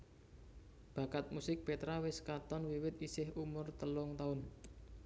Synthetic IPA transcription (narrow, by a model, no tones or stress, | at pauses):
b̥a̤kat̪̚musɪk̚pet̪ɾawɪskat̪ɔnwiwɪt̪̚isɪhumʊrt̪əlɔŋt̪aʊn